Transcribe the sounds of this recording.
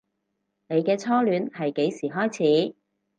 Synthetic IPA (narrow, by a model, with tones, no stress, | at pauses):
ne˨˧jkɛː˧t͡sʰɔː˥lyː˨˧nhɐ˨jke˨˧˥jsiː˨˩ɦɔː˥jt͡sʰiː˨˥